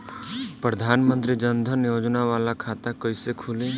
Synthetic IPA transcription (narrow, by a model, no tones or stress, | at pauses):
pɾəd̪ʱaːnmə̃nt̪ɾid͡ʒənd̪ʱənjoːd͡ʒnaʋaːlakʰaːt̪akɐisekʰʊlẽː